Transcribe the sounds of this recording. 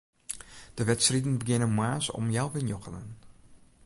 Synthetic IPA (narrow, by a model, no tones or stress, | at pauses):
d̥əʋɛtsridən̩bəɡɪnənmwaːsɔ̰mjawʋənjɔxənən